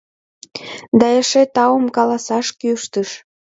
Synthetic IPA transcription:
d̪ɑəʃet̪ɑwəmkɑlɑsɑʃkyʃt̪əʃ

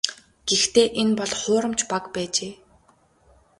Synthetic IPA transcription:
ɡ̥ext̪eːʔenpɔɮχʊːɾə̆mt͡ɕpakpæːt͡ɕeː

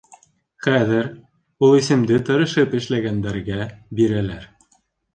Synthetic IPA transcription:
χæðɘɾ | ulˠisɘ̆md̪ɘt̪ɤ̆ɾɤ̆ʃɤpɘ̆ʃlæɡænd̪æɾɡæbiɾælæɾ

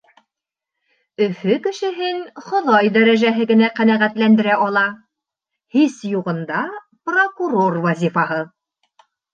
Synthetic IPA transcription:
ɵ̆fɵkɘ̆ʃɘ̆ɦɘnχŏðɑjd̪æɾæʒæɦɘɡɘ̆næqænæʁæt̪lænd̪ɘ̆ɾæʔɒlˠɑ | hisjuʁɤ̆nd̪ɑ | prokuɾorvɑzʲifɑɦɤ

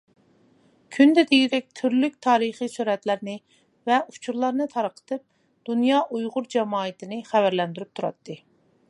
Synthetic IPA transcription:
kʲʰynd̪ɛd̪iɡʲid̪ɛk̚ʲt̪ʰyɾlyk̚ʲt̪ʰɑːɾɨχijsuɾɛt̪læɾnɪ | vɛu̥t͡ʃʰuɾlˠɑɾnɨt̪ʰɑɾqʰə̥t̪ʰɨp̚ | d̪̥unjɑːʔujʁʊɾd͡ʒɛmɑːɨt̪ʰɪnɪχævæɾlɛnd̪yɾyp̚t̪ʰuɾɑ̰t̪ːɨ

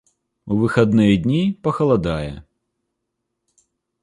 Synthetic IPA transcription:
uʋɪxɐd̪nɪjɛdʲnʲipɐxɐlˠɐd̪ɑjɛ̰

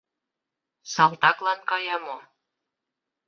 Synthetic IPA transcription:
sɑlˠt̪ɑklˠɑnkɑjɑmo

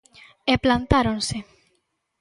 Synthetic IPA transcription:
eplant̪aɾonse

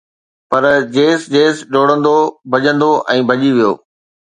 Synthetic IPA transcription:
pɐɾd͡ʑeːsd͡ʑeːsɗoːɽə̃nd̪obʱɐʄə̃nd̪oʔɛ̃ːbʱɐʄiʋijo̰ː

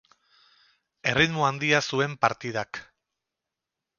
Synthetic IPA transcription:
e̞riðmoand̪iasue̞mpaɾt̪ið̞ak

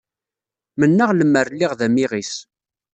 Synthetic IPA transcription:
mənːəʁləmːəɾlːiʁðæmiʁis

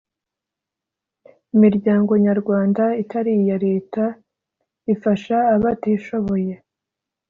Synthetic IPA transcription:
imiɾɟaːŋɡo̞ɲaɾɡwaːndaitaɾijaɾe̞ːta | ifaʃaːβatiʃo̞βo̞je̞

